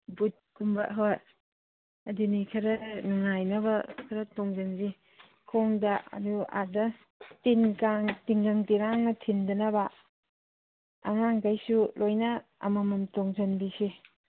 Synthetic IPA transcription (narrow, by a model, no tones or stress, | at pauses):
but̚kumbɐ̰ɦoj | ɐdunikʰɐɾɐnŋajnɐbɐkʰɐɾɐtoŋzanzi | kʰoŋdɐɐ̰dua̰dɐ | tinkaŋtiŋɡaŋtiɾaŋnɐtʰindɐnɐba | aŋaŋkajsulojnɐɐ̰mɐmɐmtoŋzɐnbise